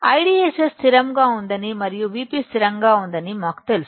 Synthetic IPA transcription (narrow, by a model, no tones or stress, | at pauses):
ɐjɽiesest̪ɪɾɐmɡaːʊnd̪ɐnimɐɾɪjũʋiːpist̪ɪɾɐŋɡaːʊnd̪ɐnimaːkt̪els